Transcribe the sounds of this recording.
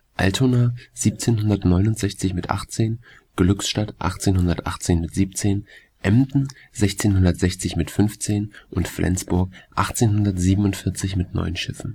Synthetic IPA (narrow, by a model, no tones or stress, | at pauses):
ʔa̰ltʰonaziːp̚t͡seːnɦʊndɐtnɔʏnʊntz̥ɛçt͡sɪçmɪtʔa̰χt͡seːn | ɡ̥lʏksʃtatʔa̰χt͡seːnhʊndɐtʔa̰χt͡seːnmɪtz̥iːpt͡seːn | ʔɛmtn̩ | zɛçt͡seːnɦʊndɐtz̥ɛçt͡sɪçmɪtfʏnft͡seːnʔʊntflʔɛ̰nt͡sb̥ʊɐkʔa̰χt͡seːnɦʊndɐtz̥iːbən̩ʊntfɪɐt͡sɪçmɪtnɔ̰ʏənʃɪfn̩